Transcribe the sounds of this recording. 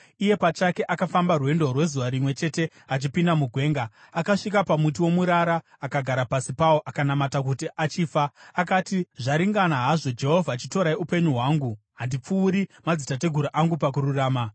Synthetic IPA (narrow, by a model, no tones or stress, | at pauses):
ije̞pat͡ʃake̞ʔakafambarwe̞ndo̞rwe̞zuʋaɾimwe̞t͡ʃe̞te̞ | at͡ʃipindamuɡʱwe̞ːŋɡaː | kaʂikapamut̬iwo̞muɾaɾaːkaɡʱaɾapasipawoʔakanamatakutiʔat͡ʃiːfaːkatiʐaɾiŋɡanaɦaʐo̞d͡ʒe̞ɦo̞vʱaːt͡ʃito̞ɾaiupe̞ɲuɦwaːŋɡu | ɦandip͡fuːɾimad͡zitat̬e̞ɡʱuɾaʔaŋɡupak̬uɾuraːma